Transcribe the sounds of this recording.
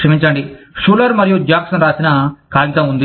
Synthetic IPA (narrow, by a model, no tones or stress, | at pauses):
ʂɐmiɲt͡ʃɐɳɖiʂuːlɐɾumɐɾijud͡ʒaːksɐnɾaːsinɐkaːɡit̪ɐmund̪i